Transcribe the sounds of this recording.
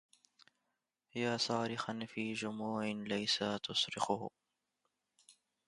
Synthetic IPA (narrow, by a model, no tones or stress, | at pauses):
jaːsˤɑːɾɪxanfiːd͡ʒʊmuːʕɪnlajsat̪ʊsɾɪxʊh